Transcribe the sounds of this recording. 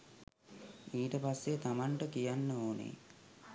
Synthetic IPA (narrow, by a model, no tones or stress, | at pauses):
iːʈəpasːet̪amaɳʈəkijanːəoːnḛ